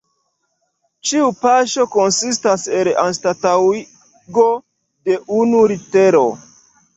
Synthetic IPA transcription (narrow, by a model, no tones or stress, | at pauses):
t͡ʃiupaʃo̞konsistasela̰nstatawi | ɡo | de̞ʔunuɾite̞ɾo̞̰